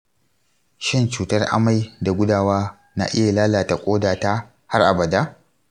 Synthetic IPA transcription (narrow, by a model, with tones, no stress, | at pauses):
ʃɪ˦nt͡ʃuː˦tɐ˦rʔa̰˦ma˨jda˨ɡʷʊ˦daː˨waː˦ | na̰ː˦ʔɪ˦ja˨laː˦laː˨ta˨kʷʼoː˦daː˨taː˦ | ha˦rʔa̰˨bɐ˨daː˦